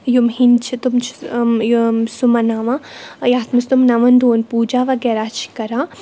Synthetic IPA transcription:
jumɦint͡ʃʰit̪umt͡ʃʰ | sumɐnaːʋãjaːt̪mɐst̪umnɐʋɐnd̪ʱoːnpuːd͡ʒaːʋɐɡɛːɾaːt͡ʃʰi̥kɐɾaː

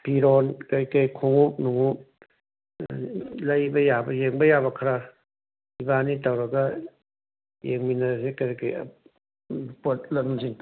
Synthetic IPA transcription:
pʰiɾɔːnkakajkʰoŋuk̚nuŋuk̚ | lajbajaːbajeŋbajabakʰaɾa | ibaːnit̪awɾaka | jḛŋminasekaɾkaja̰ | put̪̚lɔnmasiŋ

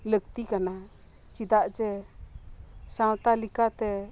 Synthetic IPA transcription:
ləɡ̚t̪ikana | t͡ʃid̪aʔd͡ʒɛ | sãwt̪alikat̪ɛ

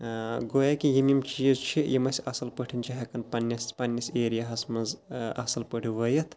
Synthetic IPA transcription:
ɡojakijimimt͡ʃizt͡ʃʰijimɐsʲɐsɐlpəʈʰinʲt͡ʃʰiɦɐkɐnpɐnʲːɐspɐnʲːɐseːɾijaɦɐsmɐzɐ̰sɐlpəɽiʋɐjɐt̪ʰ

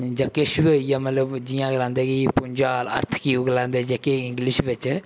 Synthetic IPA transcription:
d͡ʒɐkeʃbojamɐt̪ləbd͡ʒijãɡlãːnd̪eɡipʊɲʲd͡ʒaːlɐ̰ɾt̪ʰkiuɡlãːnd̪ed͡ʒɐkeɪ̃ŋɡliʃʋɪt͡ʃ

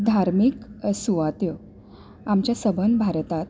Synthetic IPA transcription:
d̪ʱaɾmiksuʋat̪jə | amt͡ɕjasəbənbʱaɾt̪at̪

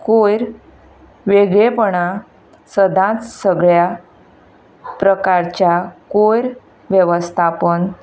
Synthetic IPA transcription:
kojɾ | ʋeɡɭepəɳa | səd̪ʱãt͡ssəɡɭja | pɾəkaɾt͡ɕjakojɾ | ʋjəʋəst̪ʰapən

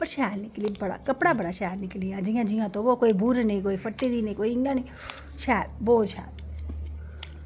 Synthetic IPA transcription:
pəɳʃaːɾnɪklibəɽa̰kəpɽabəɽaʃaːɾnikliãd͡ʒijãd͡ʒĩjãt̪oʋokoːibʱuɾnəĩkoːifəʈːiɾinəĩkoːiiŋɡani | ʃʰaːɾboːd̪ʃʰa̰ːɾ

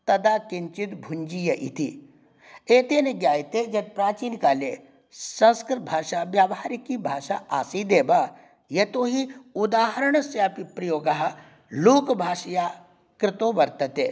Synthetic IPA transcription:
t̪ɐd̪aːkɪɲt͡ʃɪt̪bʱʊɲd͡ʒijɐʔḭt̪i | eːt̪eneɡjaːjt̪ed͡ʒɐd̪̚pɾaːt͡ʃiːnkaːle | sɐ̃nskɾɪt̪̚bʱaːʃaʋjaːʋɦaːɾikibʱaːʃaʔaːsid̪eːba | jet̪oːɦiʊd̪aːɦəɾəɳ̃sjaːpipɾɐjoːɡɐɦa | loːkbʱaːʃɐjaː | kɾɪt̪oʋɐɾt̪ɐt̪eː

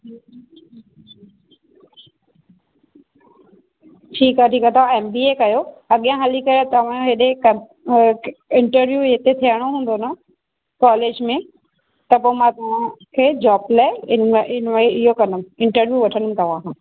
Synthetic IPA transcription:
ʈʰiːkaːʈʰiːkat̪ɐʋ̤ãeːmbiːekɐjoɐɠijãɦəlikɐjot̪ɐʋ̤ãɦɪɗekɐ | ɪ̃ɳʈəɾʋjuet̪et̪ʰiəɽ̃oɦũːn̆d̪ona | kɔːleːd͡ʑmẽ | t̪ɐpoːmãt̪ɐʋ̤ãkʰeːd͡ʑɔːblaːeɪɪnmiɪɦokɐnəm̆ɪ̃ɳʈəɾʋjuʋɐʈʰənəm̃̆t̪ɐʋ̤ãːkʰãː

